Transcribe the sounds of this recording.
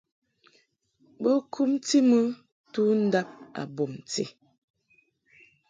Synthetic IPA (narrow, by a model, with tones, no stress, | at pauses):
bə˦kʰu˦mti˦mə˦ | tu˦n̩˦da˦p̚a̰˨bo˨m˨tḛ˦˨